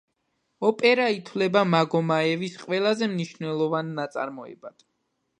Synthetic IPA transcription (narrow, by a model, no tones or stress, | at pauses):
ɔpʼɛɾait̪ʰwlɛbamaɡɔmaɛvisqʼwɛlˠazɛmniʃnɛlˠɔvanːat̪sʼa̰ɾmɔɛ̰bad̪̥